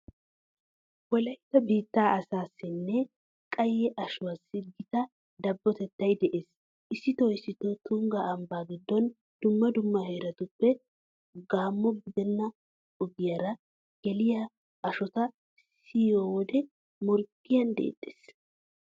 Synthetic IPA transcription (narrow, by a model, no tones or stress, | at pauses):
wɔlɐjɪt̪ːɐbiːt̪ːaːʔɐsaːsːɪnːɛ | kʼɐjɛʔɐʃʊwasːɪɡɪt̪ɐ | d̪ɐbːɔt̪ɛt̪ːɐjd̪ɛʔe̞ːs | ʔɪsːɪt̪ɔɪsːɪt̪ɔt̪uŋɡɐɐmbaːɡɪd̪ːɔn | d̪̥ʊmːɐd̪ʊmːɐheːɾɐt̪ʊpːɛ | ɡaːmːɔɡɪd̪ɛnːɐ | ɔɡɪjɐɾɐ | ɡ̥ɛlɪjɐ | ɐʃɔt̪ɐ | sioːwɔd̪ɛ | mɔɾkʼː | ɪjɐnd̪ḛːt̪ʼːe̥ːs